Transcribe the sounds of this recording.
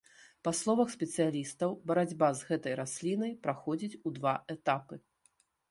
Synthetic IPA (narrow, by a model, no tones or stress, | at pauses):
paslˠɔvɐxsʲpʲɛt̪sɨjalʲist̪ɐwbɐɾad͡zʲbazɣɛt̪ɐjɾasʲlʲinɐjpɾaxɔd͡zʲit͡sʲud̪vaɛt̪apɨ